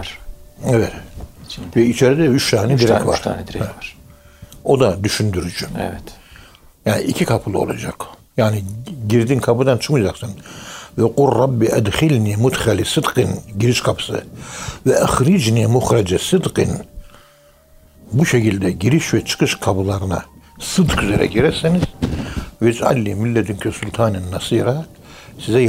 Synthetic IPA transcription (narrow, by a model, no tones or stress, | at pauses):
ɛvɛt̪ | vɛit͡ʃʰeɾid̪ɛyt͡ʃt̪ʰaːnɛd̪iɾɛkva̰ɾʰa̰nɾ | o̞d̪ad̪yʃynd̪yɾyd͡ʒyɛvɛt̪ | jaːniʔicʰikʰapʰɯlˠɯo̞̰lˠa̰d͡ʒak | jaːniɟiɾd̪inkʰapɯd̪ant͡ʃʰɯ̥kmɯd͡ʒaksɯnvɛquɾːabːiʔɛd̪xilʲniɛmut̪χɛlʲisɯd̪qɯnɟiɾiʃkʰapʰɯ̥sɯ̰vɛʔæxɾid͡ʒniɛmuxɾad͡ʒisɨd̪qin | buʃekʲʰilʲd̪ɛɟiɾiʃvɛt͡ʃʰɯ̥kʰɯʃkʰabɯlˠaɾɯna̰ | sɨd̪kʰyzeɾɛ̰ɟiɾɛsiniz̥vɛt͡ʃʼa̰lʲːimilːɛd̪ynkʰøsulʲt̪ʰaːninːasiːɾa | sizɛ